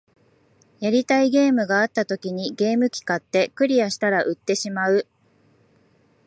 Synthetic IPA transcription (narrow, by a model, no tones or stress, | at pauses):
jaɾʲit̪aiɡe̞ːmɯ̟ɡaːt̪ːat̪o̞kʲiɲ̟iɡe̞ːmɯ̟kʲi̥kat̪ːe̞kɯ̟ɾʲiaɕi̥t̪aɾaʔɯ̟t̪ːe̞ɕimaɯ̟